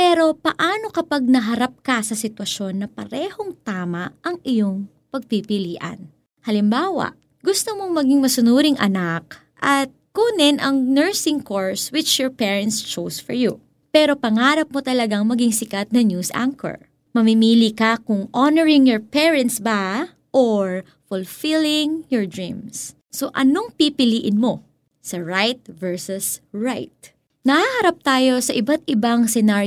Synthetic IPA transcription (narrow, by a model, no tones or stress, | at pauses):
pɛːɾo̞pɐʔaːno̞kɐpɐɡ̚nɐɦɐɾap̚kɐsɐsɪt̪wɐʃo̞nːɐpɐɾɛːho̞ŋt̪aːmɐʔɐŋʔɪjo̞ŋ | pɐɡ̚pipɪliːʔɐ̰n | hɐlɪmbaːwɐ̰ʔ | ɡʊst̪omoŋmɐɡiŋmɐsʊnuːɾɪŋʔɐ̰nak | ʔɐt̪̚kʊnɛnʔɐŋnɛɹsɪŋkoɹswɪt͡ʃjɔɹpɛːɹɛnt̪st͡ʃowsfɔɹju | pɛɾo̞pɐŋaːɾɐp̚mot̪ɐlɐɡaŋmɐɡɪŋsɪkɐt̪̚nɐnjuːsʔa̰ŋkɛ̰ɹ | mɐmɪmiːlikɐkʊŋʔonɛɹɪŋjɔɹpɛɹɛ̃nt̪sba | ʔoɹ | fʊlfilɪŋjɔɹd̪ɹĩmsː | o̞ʔɐno̞ŋpipɪliːʔɪnmo̞ | sɐɹajt̪̚vɛɹsʊsɹajt̪̚ | nɐhahɐɾap̚t̪aːjo̞sɐʔɪbat̪̚ɪbaŋsɛnaː